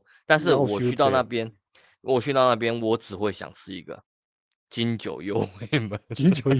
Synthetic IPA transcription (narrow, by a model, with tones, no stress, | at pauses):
t̪a˥˧nʂ̬ɻ̩˥˨wɔ˨˩ɕy˥t̪ɑ˥˧ʊna˥˨pjɛ˦n | wʔɔ˨˩ɕy˥˧t̪ɑ˥˧ʊna˥˩p̬jɛ˦nwɔ˨˦ʈ͡ʂɻ̩˨˩xwe˥˩ɪɕjɑ̰˨˩ŋt͡sʰɹ̩˥i˧ɡə̰˨ | t͡ɕi˦nt͡ɕjo̰˨˩ʊjo˥˦ʊwe˥˩ɪmə˨n˨